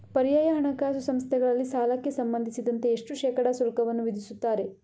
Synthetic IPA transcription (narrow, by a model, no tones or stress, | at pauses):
pɐɾijaːjɐɦɐɳɐkaːsusɐmst̪ʰɛɡɐɭɐlːisaːlɐkːe̞sɐmbɐnd̪ʱisid̪ɐnt̪e̞ːʂʈuʃɛːkɐɽɐsulkɐʋɐnːuʋid̪ʱisut̪ːaːɾe̞